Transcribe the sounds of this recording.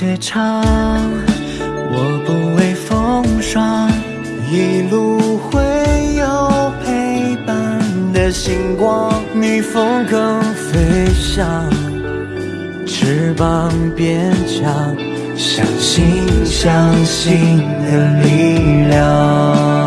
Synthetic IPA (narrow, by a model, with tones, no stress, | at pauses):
ɛ˧ʈ͡ʂʰɑ˥ | wɔ˨˩pu˧˩we˥˧˩ɪfɤ˥ŋʂwɑ˥ŋ | i˧˩lu˧xwe˥ɪjo˨˧ʊpʰe˧˥ɪpa˥˧nnd̪ə˨ɕi˧˥ŋkwɑ˥ŋni˨˩fɤ˥ŋkɤ˧˥ŋfe˦˥ɪɕɑ˥˧˩ŋŋ | ʈ͡ʂʰɻ̩˧˥pa˧ŋpjɛ˥nʈ͡ʂʰɑ˧˥˩ŋ | ɕjɑ̰˨˩ŋɕi˥ɕjɑ˧˥ŋɕi˥˧nd̪ə˧˩li˥ljɑ˧˩